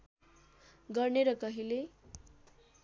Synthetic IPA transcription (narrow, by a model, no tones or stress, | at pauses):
ɡʌrneɾʌkʌɦile